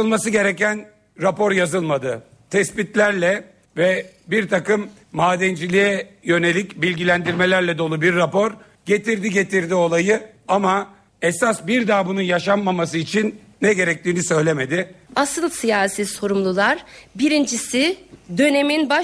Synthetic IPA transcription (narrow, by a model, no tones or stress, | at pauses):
ɯlˠmasɯɟe̞ɾɛcæn | ɾapo̞ɾjazɯlˠmad̪ɯ | t̪ʰɛspit̪lʲæɾlʲɛ | vɛbiɾt̪ʰakɯmː | aːd̪ɛnd͡ʒilʲijɛjø̞ne̞lʲicbilʲɟilʲænd̪iɾme̞lʲæɾlʲɛd̪o̞lˠubiɾːapo̞ɾ | ɟe̞t̪iɾd̪iɟe̞t̪iɾd̪io̞lˠajɯ | ama | ɛsasbiɾd̪abunujaʃamːamas̬ɯit͡ʃʰinː | ɛɟe̞ɾɛc̚t̪ʰiːnisø̞jlʲe̞me̞d̪ɪasɯlˠsijaːsiso̞ɾumlˠulˠaɾbiɾind͡ʒisid̪ø̞ne̞minba